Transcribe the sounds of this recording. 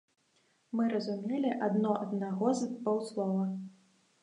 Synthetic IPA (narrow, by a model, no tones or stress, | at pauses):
mɨɾɐzumʲelʲiʔad̪nɔʔɐd̪̚naɣɔzbɔwslˠɔvɐ